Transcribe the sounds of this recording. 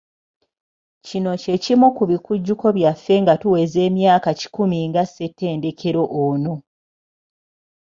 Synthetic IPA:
cino̞ce̞cimukuβikuɟːuko̞βjafːe̞ŋɡatuwe̞ze̞ːmjaːkaci̥kumiŋɡasːe̞tːe̞ːnde̞kʰe̞ɾo̞ʔoːno̞

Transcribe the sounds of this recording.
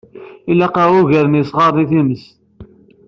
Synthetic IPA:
ilːæqɑʁʊʝæɾənisʁɑɾˤniθiməs

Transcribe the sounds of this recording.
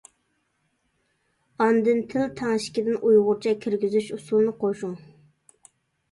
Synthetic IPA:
ɑnd̪ɨnt̪ʰɪlt̪ʰɑŋʃɪ̥kʲid̪ɪnʔujʁʊɾt͡ʃʰɛkʲʰiɾɡʲizyʃusulˠnɨqʰoʃuŋ

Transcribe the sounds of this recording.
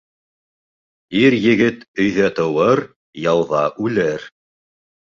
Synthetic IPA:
iɾjɘ̆ɡɘt̪ɵ̆jðæt̪ɤ̆wɤɾ | jɑwðɑʔʉlɘɾ

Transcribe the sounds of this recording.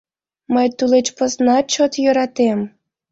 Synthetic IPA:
məjt̪ulet͡ɕpəznɑt͡ɕot̪jøɾɑt̪em

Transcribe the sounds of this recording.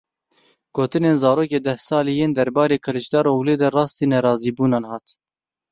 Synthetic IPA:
ɡ̥oːt̪ɨneːnzɑːɾoːkeːd̪ɛhsɑːlijeːnd̪ɛɾbɑːɾeːkʰɨlɨʃd̪ɑːɾowleːd̪ɛrɑːst̪iːnɛɾɑːziːbuːnɑːnhɑːt̪

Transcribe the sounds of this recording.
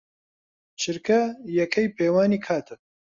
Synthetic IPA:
t͡ʃʰɨɾkʰɐjɛkʰɛjpʰeːwaːniːkʰaːt̪ʰɨ

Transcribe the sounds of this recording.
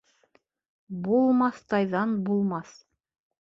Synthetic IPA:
bulˠmɑθt̪ɑjðɑnbulˠmɑθ

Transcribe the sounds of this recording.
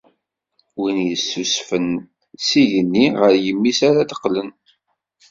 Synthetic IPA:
winjəsːusfən | siʝənːiʁəɾjəmːisaɾad̪ə̥qːlən

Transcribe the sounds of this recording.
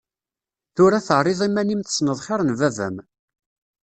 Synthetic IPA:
θʊɾæθəʕrˤːɪðˤimːænimθə̥snəðˤχɪɾˤənvævæ̰m

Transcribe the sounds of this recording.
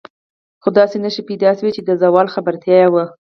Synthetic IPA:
xod̪ɑsenəʃipajd̪ɑʃawit͡ʃed̪əzawɑlxabaɾt̪jɑjawə

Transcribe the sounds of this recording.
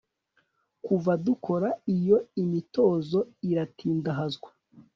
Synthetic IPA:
kuvadukʰo̞ɾaijo̞imito̞ːzo̞iɾatʰiːndaɦazɡwa

